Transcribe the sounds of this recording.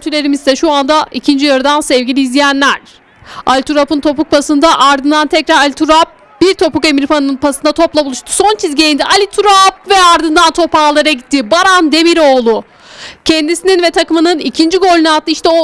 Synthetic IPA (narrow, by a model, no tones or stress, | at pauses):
yt̪ʰyɾlʲe̞ɾimizsɛʃuand̪aʔicʰind͡ʒijaɾɯd̪ansɛvɟilʲiːzlʲijænlʲæɾ̥ | a̰lʲt̪ʰuɾapɯnt̪ʰo̞puk̚pʰasɯnd̪aʔaɾd̪ɯnd̪ant̪ʰɛcɾaɾalʲit̪ʰuɾap̚ | b̥iɾt̪ʰo̞pukemiɾfanɯnɯnpʰasɯnd̪at̪ʰo̞plˠabulˠuʃt̪ʰu̥so̞nt͡ʃʰizɟejind̪ɛʔalʲit̪ʰuɾapvɛaɾd̪ɯnd̪ant̪ʰo̞paːlˠaɾaɟit̪ʰːibaɾand̪e̞miɾo̞ːlˠʊ | cʰɛnd̪isininvɛt̪ʰakɯmɯnɯnicʰind͡ʒiɡo̞lʲnat̪ːˠɯiʃt̪ɛo